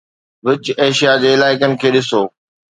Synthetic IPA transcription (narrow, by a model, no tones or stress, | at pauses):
ʋɪt͡ɕeːʃijad͡ʑeːɪlaːɪkənɪ̆kʰeːɗɪsoː